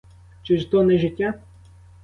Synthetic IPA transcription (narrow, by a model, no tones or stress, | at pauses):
t͡ʃɪʒt̪ɔnɛʒɪtʲːa